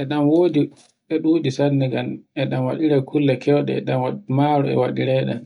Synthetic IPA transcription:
ʔɛɗamwoːdi | ɛɗuːdisanːɛɡanɛɗamwaɗiɾɛkʰulːɛkʰɛwɗɛ̰ɛ̰ɗammaɾɔɛ̰waɗiɾɛɗɛ̰n

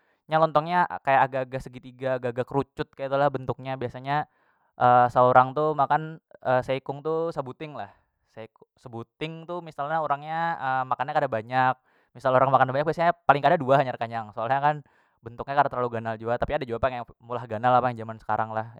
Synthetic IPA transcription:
ɲalɔnt̪ɔŋɲakajaɡaɡasəɡit̪iɡaɡaɡakəɾut͡ʃʊt̪̚kajait̪ulahbənt̪ʊk̚ɲabiasaɲa | ʔəːsəoɾaŋt̪umakanəseikʊŋt̪usəbut̪ɪŋlah | seikʊsəbut̪ɪŋt̪umisalɲaoɾaŋɲaəmakanɲakadabaɲak̚ | misaloɾaŋmakanabaɲak̚biasaɲapalɪŋkadaduahaɲarkaɲaŋsoalɲakan | bənt̪ʊk̚ɲakadat̪əlaluɡanald͡ʒuat̪apiadad͡ʒuapajaŋjamulahɡanalapajaŋd͡ʒamansə̥kaɾaŋlah

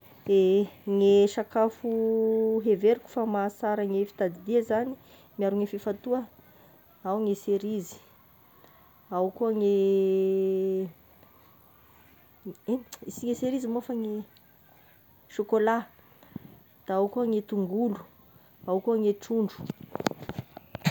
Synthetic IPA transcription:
eŋeʃakafuɦeveɾiku̥famasaɾəŋefi̥t̪ad̪id̪ezani | miaɾuŋefifat̪uə | awŋeseɾizi̥ | awkuəŋe | isiŋeseɾizimoafaŋe | ʃokola | d̪̥aawkuaŋet̪uŋɡulu̥ | awkuaŋeʈ͡ʂuɳɖ͡ʐu̥

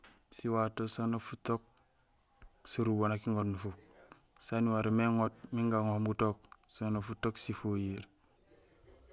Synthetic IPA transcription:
siwatosonofutok̚ | suɾubonakiŋotnufuk | saniwaɾemeŋot̚miŋɡaŋohmɡutoksonofutoksifojiɾ

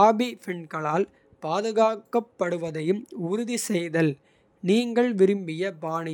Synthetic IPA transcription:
aːbipɪɳkɐɭaːl | paːðɯɣaːkːɐpːɐɽɯʋɐðɐjɯmʊɾʊðisɛjðɐl | niːŋɡɐɭʋɪɾɯmbɪjɐbaːɳɪ

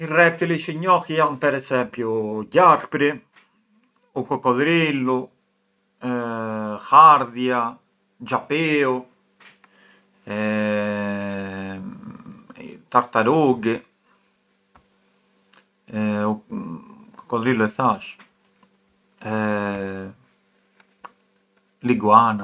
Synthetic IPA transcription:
irɛk̚t̪iliʃiɲɔxjampɛɾɛsɛmpjuɟaɾpɾi | ukɔkɔðɾilu | xaɾðja | d͡ʒapeo | ɛ | t̪aɾt̪aɾoɡe | u | ko̥kɔðɾiloeθaʃ | liɡwana

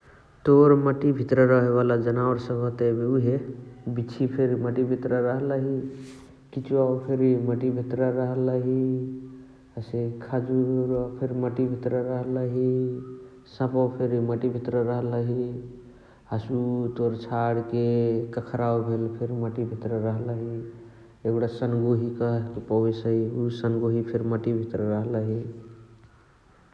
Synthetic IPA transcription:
t̪oɾməʈibʱit̪ɾəɾəɦeβalad͡ʒənaʊɾsə̃bət̪ebeuɦebit͡ʃʰipʰeɾməʈibʱit̪ɾəɾəɦələɦi | kit͡ʃuaopʰeɾiməʈibʱit̪ɾəɾəɦələɦi | əsekʰad͡ʒuɾpʰeɾməʈibʱit̪ɾəɾəɦələɦi | sə̃pəpʰeɾiməʈibʱit̪ɾəɾəɦələɦi | asut̪oɾt͡ʃʰaɽkekəkʰɾawbʱelpʰeɾməʈibʱit̪ɾəɾəɦləɦi | eɡɽasənɡoɦikəɦk̪ipəwesəɦiusənɡoɦipʰeɾməʈibʱit̪ɾəɾəɦləɦi

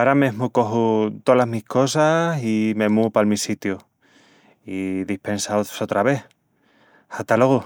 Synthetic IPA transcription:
aɾameɦmuko̞ɦut̪olaɦmihko̞sasime̞mupalmisit̪ju | iðihpe̞nsaosot̪ɾaβe̞θ | hat̪aloɣu

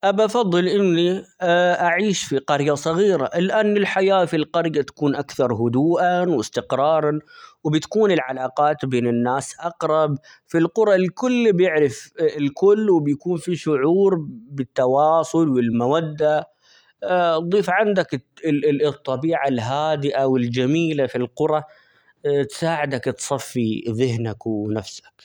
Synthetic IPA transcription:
ʔabafɑðˤːɨlʔɪnːiʔaʕiːʃfiqɑɾjasˤɑɣiːɾa̰lʔanːɪlħajaːfilqɑɾjat̪ḁkuːnʔakθɑɾˤɦʊd̪uːʔawɪst̪ɪqɾˤɑːɾˤɑwbɪt̪ḁkuːnɪlʕalaːqɑːt̪beːnɪnːaːsʔɑqɾˤɑb | filqʊɾˤɑlkʊlːbjɪʕɾɪfɪlkʊlːwɪbjkuːnfiʃʊʕuːɾbɪt̪ːɑwɑːsˤʊlwɪlmawad̪ːa | d̪ˤiːfʕand̪ak | ɨt̪ˤːɑbiːʕalɦaːd̪ɪʔawɪld͡ʒamiːlafilqʊɾˤɑ | t̪saːʕɪd̪akt̪sˤɑfːiðɪhnakwnafsḁk

